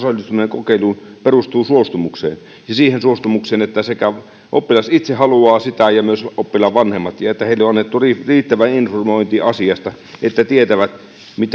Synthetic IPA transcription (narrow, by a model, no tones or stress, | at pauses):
sɑlːˑist̪umineːŋkokeˑiluːnperust̪uːsuost̪umuksḛːn | jɑsiːhensuost̪umukseːnet̪ːæsekæ | ʔo̰pːilɑsit̪sehɑluɑːsit̪æjɑmyøsopːilɑʋʋɑnhemːɑt̪jɑet̪ːæeilːeoɑnːet̪ːuririːt̪ːæʋæinformoint̪iɑsiɑst̪ɑ | et̪ːæt̪iet̪æʋæt̪ | mit̪